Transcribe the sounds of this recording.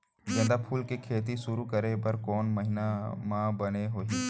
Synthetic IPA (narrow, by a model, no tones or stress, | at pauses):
d͡ʒɐ̃nd̪apʰuːlkekʰeːt̪̬isʊɾukəɾebəɾkɔːnməɦɪnamãbəneɦoːiː